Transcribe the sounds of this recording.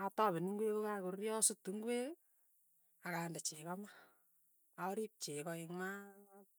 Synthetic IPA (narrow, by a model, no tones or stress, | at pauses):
atɔβɪniŋɡwekokakʊrjɔsʊtuŋɡwe | akandat͡ʃekama | aɾip̚t͡ʃekɔɪŋma